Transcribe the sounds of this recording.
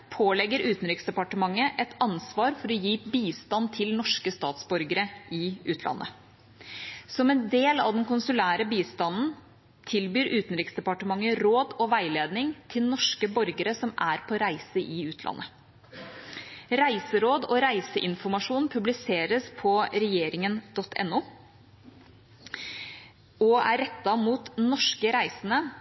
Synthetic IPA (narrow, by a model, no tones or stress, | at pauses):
pʰoːlɛɡːəɾʉːt̪n̩ɾɪksd̪ɛpɑʈəmɑŋːəʔɛt̪ʰɑnsʋɑːɾfɔɾɔjiːbiːst̪ɑnt̪ʰɪlnɔʂkəst̪ɑːt̪sbɔɾɡəɾəʔɪʔʉːt̪ʰlʔɑ̰nːʔə̰ | sɔmɛnd̪eːlɑ̰ʋd̪ɛnkʊnsʉlæːɾəbiːst̪ɑnn̩ | t̪ʰɪlbyːɾʉːt̪n̩ɾɪksd̪ɛpɑʈəmɑŋːəɾoːd̪ɔʋæɪleːd̪nɪŋt̪ʰɪlnɔʂkəbɔɾɡəɾəsɔmæːɾpʰɔɾæɪsəʔɪʉːt̪ʰlʔɑ̰nːə | ɾæɪsəɾoːd̪ɔɾæɪsəʔɪnfɔɾmɑʂuːn̩pʰʉblɪseːɾəspʰɔɾɛjeːɾɪŋənd̪̥ɔt̪ʰːɛ̰nːuː | ɔæ̰ɾɛt̪ːɑmuːt̪nɔʂkəɾæɪsənə